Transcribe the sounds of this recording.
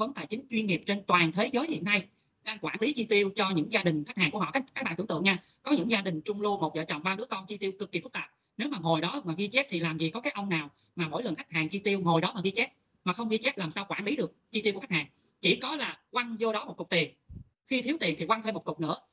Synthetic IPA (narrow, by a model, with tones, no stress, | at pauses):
və˨˦nt̪a̰˧˨jt͡ɕï˨˦ŋ̟t͡ɕwi˧ənŋi˨˩əp̚t͡ɕe˧nt̪waː˨˩nt̪ʰe˨˦zəː˨˦jhḭ˧˨ənːa˧j | ɗaː˧ŋkwaː˧˩nli˨˦t͡ɕwi˧t̪i˧əwt͡ɕɔ˧ɲɨ̰˧˥ŋzaː˧ɗï˨˩ŋ̟kxa˦˥k̟̚aː˨˩ŋku˧˩ɦɔ̰˧˨˧aː˦˥jk̚aː˦˥a̰ː˧˨t̪ːt̪ɨ̰˧˨ə˨ŋɲaː˧ | kɔ˨˦ɲɨ̰˧˥ŋzaː˧ɗï˨˩ŋ̟t͡ɕʊ˧ŋ͡mlu˧mo˨˩t̚zə̰ː˧˨˩t͡ɕɔ̰˧˨wŋ͡mɓaː˧nɨ˨˦˥əkɔ˧nt͡ɕi˧t̪i˧wkɨ˨˩kːi˨˩fɨ˦˥k̚t̪aː˨˩p̚ | ne˨˦wmaː˨˩ŋo˨˩jɗɔ˨˦maː˨˩ɣi˧t͡ɕɛ˦˥p̚t̪ʰi˨˩laː˨˩mzi˨˩kɔ˨˦kaː˨˦jʔə˧wŋ͡mnaː˨˩w | maː˨˩mo̰˧˥˨jlə˨˩nxa˦˥k̚haː˨˩ŋt͡ɕi˧t̪i˧əwŋo˨˩jɗɔ˨˦maː˨˩ɣi˧t͡ɕɛ˦˥p̚ | maː˨˩xə˧wŋ͡mɣi˧t͡ɕɛ˦˥p̚laː˨˩msaː˧wkwaː˧˩nli˨˦ɗɨ˨˩ək̚t͡ɕwi˧t̪i˧wu˧˩˥k̚haː˨˩ŋ | t͡ɕḭ˧˩kɔ˨˦laː˨˩kwa˧ŋzo˧ɗɔ˨˦mo˨˩t̚kʊ˨˩k͡p̚t̪i˨˩ən | xi˧t̪ʰi˨˦əwt̪i˨˩ənt̪ʰi˨˩kwa˧ŋtʰe˧mo˨˩tkʊ˨˩k͡p̚nɨ̰˧˥ə